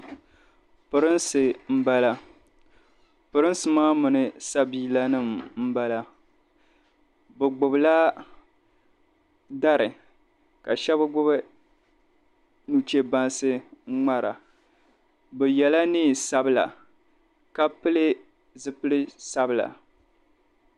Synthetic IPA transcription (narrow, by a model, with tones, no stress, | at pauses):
pɨ˨ɾɨ˦nsɨ˨m̩˦ba˦la˨ | pɨ˨ɾɨ˦n˦sɨ˨maː˦mɨ˨nɨ˨sa˦biː˦la˦nɨ˦˨mm̩˦ba˦la˦ | bɛ˨ɡ͡bʊ˨bɨ˨la˦ | da˦ɾɨ˨ | ka˨ʃɛ˦bɨ˦ɡ͡bʊ˦bɨ˦ | nu˨t͡ʃe˦ba˦nsɨ˦ŋ͡ma˦ɾa̰˨ | bɛ˨jɛ˨la˦niː˦˨sa˦bɨ˦la̰˨ | ka˦pɨ˦lɨ˦ | zɨ˦pɨ˦lɨ˦sa˦bɨ˨la̰˨